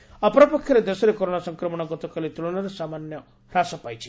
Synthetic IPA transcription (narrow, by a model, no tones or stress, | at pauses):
apɔɾɔpɔkʰjɔɾed̪esɔɾekɔɾonasɔŋkɾɔmɔɽ̃ɔɡɔt̪ɔkalit̪uɭɔɽ̃ɔɾesamanjɔ | ɾasɔpajt͡ʃʰi̥